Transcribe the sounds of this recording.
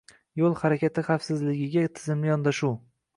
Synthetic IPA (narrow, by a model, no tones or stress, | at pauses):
jolˠhaɾakʲat̪ʰɪχafsɪzlɪɡʲɪɡʲat̪ʰɪzɪmlɪjɒnd̪aʃu